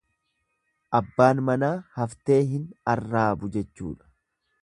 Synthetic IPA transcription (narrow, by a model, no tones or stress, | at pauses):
ʔɐbːaːnmɐnaːhɐft̪e̞ːɦɪnɐrːaːbʊd͡ʒɛt͡ʃːṵːᶑɐ̥